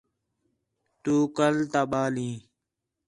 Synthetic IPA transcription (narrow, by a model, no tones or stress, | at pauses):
t̪uːkəlt̪aːɓaːlĩː